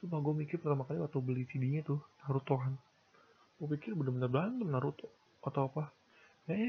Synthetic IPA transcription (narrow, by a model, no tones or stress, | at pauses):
supaɡamikɪrpərt̪amakaliwat̪ubəlisidiɲat̪ʊhnaɾut̪oɦan | ɡupikɪrbədahmənarblandəmnaɾut̪ | at̪awapa | ja